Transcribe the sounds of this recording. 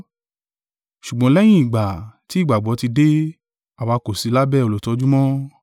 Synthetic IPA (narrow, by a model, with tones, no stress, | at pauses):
ʃu˨ɡ͡bɔ̃˧˦lɛ˦j̃ĩ˦i˨ɡ͡ba˨ti˨˦i˦˨ɡ͡ba˨ɡ͡bɔ˨˦ti˧de˦ | a˨wa˧ko˨si˨˧˦la˦bɛ˦˨o˧lo˨tɔ˨˧˦d͡ʒu˦mɔ̃˦